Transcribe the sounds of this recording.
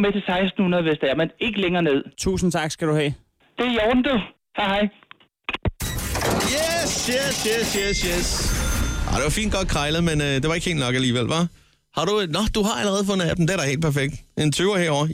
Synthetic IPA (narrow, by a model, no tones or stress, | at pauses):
met͡sʰe̝sɑ̈ɪsd̥n̩hunɐðˠʋesd̥ɛɐmene̝ɡ̥əleŋɐːne̝ð̞̰ˠt͡sʰṵːsn̩t͡sʰɑ̈ɡ̥sɡ̥æɾ̥uhɛ̰ː | d̥e̝jɒʊn̩d̥u | hɑ̈ɪhɑɪ | jesjesjesjesjes | ɑd̥e̝ʋɑ̈fḭnd̥̚ɡ̥ɒ̽d̥̚kʰʁɑ̈ɪləð̩ˠmenød̥e̝ʋɑ̈e̝ɡ̥he̝ːld̥nɒ̽ɡ̥æliːʋelʋæ | hɑ̈ɾ̥unɒd̥uɦɑ̈æləʁɛːð̞̩ˠfɔ̽n̰ð̩ˠæd̥em̩d̥eɐdɾɑ̈ɪhe̝ːl̥̚pʰæɐfeɡ̥̚d̥ʔe̝nt͡sʰyːʊɐhɛɐ̰ɒ̰ɐ